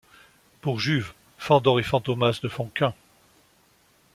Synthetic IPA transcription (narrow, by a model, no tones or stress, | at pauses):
puʁʒyv | fɑ̃d̪ɔʁefɑ̃t̪omasd̪əfɔ̃kʲɛ̃